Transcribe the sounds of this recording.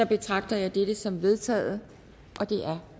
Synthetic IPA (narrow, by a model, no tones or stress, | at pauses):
ɑ̈b̥e̝t͡sʰʁɑ̈ɡ̥̚d̥ɐjɑ̈ɪd̥ed̥əsɒ̽mʋe̝ð̞ˠt͡sʰɛ̰ːð̩ˠə | ʔɒ̽d̥e̝ʔæɐ